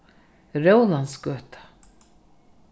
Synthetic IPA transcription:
rowlanskœːt̪ḁ

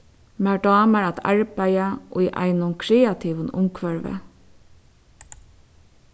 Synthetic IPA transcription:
mæɖɑːmæɹat̪a̰ɹbæɪaʔɔiʔa̰ɪnʊŋkʰɹeːat̪ʰiːʋənʊ̰mkʰʋœɹʋə̰

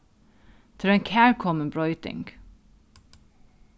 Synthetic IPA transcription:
t̪ʰɪleːnkʰæːɹkʰɔmənbɹɔʏt̪ɪ̰ŋɡ̥

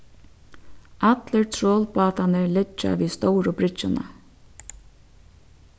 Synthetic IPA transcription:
at̪ləɹt̪ʰɾoːlpɑːt̪anəlɪt͡ʃːa̰ʋiːst̪ɔwɾʊbɾɪt͡ʃːɪna̰

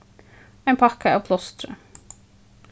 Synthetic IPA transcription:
æɪnpʰɑkəɑːʋpʰlɔst̪ɾə̰

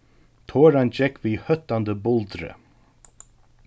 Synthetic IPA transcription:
t̪ʰoːɾand͡ʒɛkviːhœt̪ːand̪əbʊlt̪ɾə̰

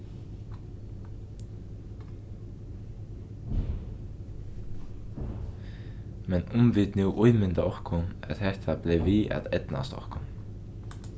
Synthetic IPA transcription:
mɛnʊmʋɪd̪nuːʔuʏmʏnd̪əʔɔɹkʰʊæ̰t̪hɛht̪ʰableːʋiːʔæ̰t̪ɛd̪̥na̰st̪ɔ̰hkʊ

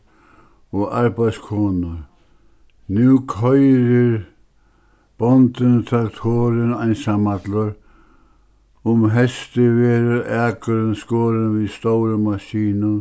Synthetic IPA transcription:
ɔaɾbajskʰɔːnʊ | njuːkʰœʏɾɪɾ | b̥ɔnt̪ɪnt̪ʰɾakt̪ʰoːɾɪnaɪnsamat̪lʊɾ | ʊmɦɛst̪ɪʋeːɾəʔæːkʊɾɪnskoːɾɪnʋist̪owɾəmaʃiːnʊ

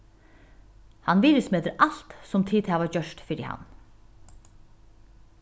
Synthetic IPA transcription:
hɑnʋiːɾʏsmeːd̪əɾʔɑlt̪sɔmt̪ʰiːt̪ʰæːʋɑd͡ʒœʃtfɪdɪ̰hɑ̰n

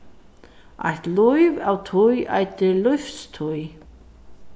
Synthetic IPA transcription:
a̰jht̪lujvawt̪ʰuja̰jt̪ɪlʏɥfst̪ʰuj

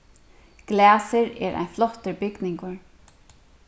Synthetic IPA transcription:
ɡ̥læːsɪɾɛ̰ːɾa̰jnflɔht̪ɪɹbɪknɪŋkʊɹ

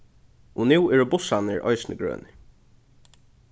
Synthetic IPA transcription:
ʊnuwɛɹʊbʊsanɪɹʔɔ̰ɪsɪnɪ̰ɡɹø̰ːnɪ

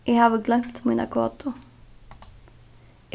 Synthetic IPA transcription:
jæɪhɑːʋəɡlɛmt̪minɑ̰kʰʊɑ̰ːt̪ʰʊ

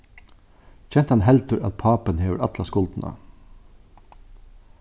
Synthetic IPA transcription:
c͡çʰɛn̥t̪hɑnɦɛlt̪əɾa̰t̪pʰɑːpənheːʋəɾɑt̪lɑskʊlt̪nʔa̰

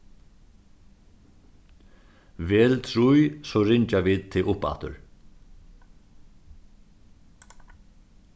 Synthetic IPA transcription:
vɛːlt̪ʰɾujsɔɾɪɲt͡ʃaʋiːd̪t̪ʰɪlʊpa̰t̪ʊ̰ɹ

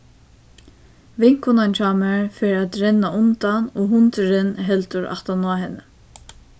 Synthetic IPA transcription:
vɪŋ̥kʊnant͡ʃʰaːmɛɹfeːɾat̪ɾɛnːaʊnt̪anoɦʊnt̪ɪɾɪnɦɛlt̪ʊɹa̰ht̪anaːɦɛnːə

